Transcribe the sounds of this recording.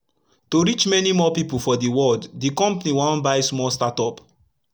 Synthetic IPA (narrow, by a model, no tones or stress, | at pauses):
toɹit͡ʃmɛnimɔpipufɔdiwɔldːikɔ̃mpaniwɔ̃nbaɪsmɔlstatɔp